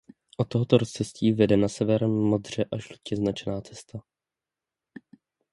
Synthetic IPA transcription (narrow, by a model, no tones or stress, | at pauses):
ʔot̪ːoɦot̪oɾost͡sɛsciːvɛdɛnasɛvɛɾɛmːo̞d̪r̝ɛʔaʒlucɛznat͡ʃnaːt͡sɛst̪a